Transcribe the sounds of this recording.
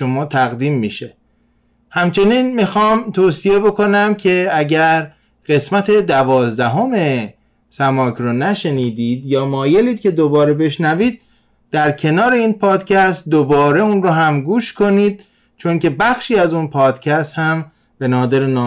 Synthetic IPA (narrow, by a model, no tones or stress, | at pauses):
omɒːt̪ʰæɣd̪iːmːiʃe̞ | hæmt͡ʃʰe̞niːnmixɒːmt̪ʰoːsije̞bo̞kʰo̞næmcʰe̞æɟæɾ | ɢ̥e̞smæt̪ʰe̞d̪ævɒːzd̪æɦo̞me̞ | sæmɒːkʰɾonæʃeniːd̪iːd̪jɒːmɒːje̞liːd̪̥̚cʰe̞d̪obɒːɾe̞be̞ʃnæviːd̪̥̚ | d̪̥æɾcʰe̞nɒːɾe̞iːnpʰɒːd̪cʰæst̪̚d̪obɒːɾe̞unɾoɦæmɡuːʃkʰo̞niːd̪̥̚ | t͡ʃʰonce̞bæxʃiːæzunpʰɒːd̪̥cʰæst̪hæm | b̥e̞nɒːd̪eɾenː